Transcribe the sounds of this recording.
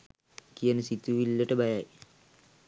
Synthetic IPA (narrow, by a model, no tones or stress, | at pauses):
kijənəsit̪uʋilːəʈəbajaj